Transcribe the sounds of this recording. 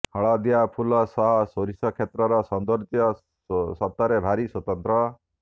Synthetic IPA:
hɔɭɔd̪ijapʰulɔsɔɦɔsoɾisɔkʰet̪ɾɔɾɔsɔnd̪ɔɾt̪jɔ | sɔt̪ːɔɾebʱaɾiswɔt̪ɔnt̪ɾɔ

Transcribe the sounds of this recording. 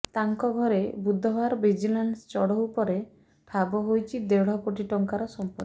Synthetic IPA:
t̪aŋkɔɡʱɔɾebud̪ʱːɔbaɾbid͡ʒilaɳɖst͡ʃɔɽɔwpɔɾe | pʰabɔɦojt͡ʃʰid̪ewɽ̤ɔkoʈiʈɔŋkaɾɔsɔmpɔɾ

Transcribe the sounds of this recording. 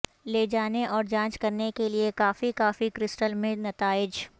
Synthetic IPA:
leːd͡ʒaːneʔɔːɾd͡ʒãːt͡ʃkɐɾnekeliekaːfikaːfikɾɪsʈəlmẽnɐt̪aːɪd͡ʒ

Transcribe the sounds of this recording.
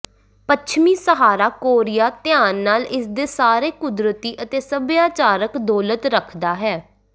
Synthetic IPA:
pət͡ʃʰmiːsəɦaːɾaːkoːɾɪjaːt̪ɪaːnːaːlɪsd̪eːsaːɾeːkʊd̪ɾət̪iːʔət̪eːsəbjaːt͡ʃaːɾəkd̪ɔːlət̪ɾəkʰd̪aːɦɛː

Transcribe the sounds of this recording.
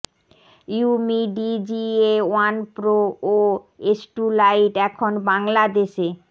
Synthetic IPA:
jumiɖid͡ʑiewanpɾoo | esʈulajʈɛkʰonbaŋlad̪eʃe

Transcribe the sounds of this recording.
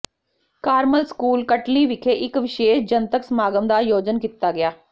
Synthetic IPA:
kaːɾməlskuːlkəʈliːʋɪkʰeːʔɪkʋɪʃeːʃd͡ʒənt̪əksəmaːɡəmd̪aːjoːd͡ʒənkiːt̪aːɡɪjaː

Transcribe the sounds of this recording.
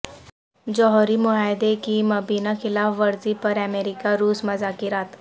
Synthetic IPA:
d͡ʒɔɦɔɾimʊɦaːjd̪ekimɐbiːnaxɪlaːfʋɐɾzipɐɾɛmeːɾɪkaɾuːsmɐzakiɾaːt̪

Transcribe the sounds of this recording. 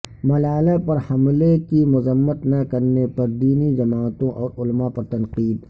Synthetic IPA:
mɐlaːlapɐɾhɐmlekimʊzəmːət̪nakɐɾnepɐɾd̪iːnid͡ʒɐmaːt̪õʔɔːɾʊlmapɐɾt̪ɐnqiːd̪

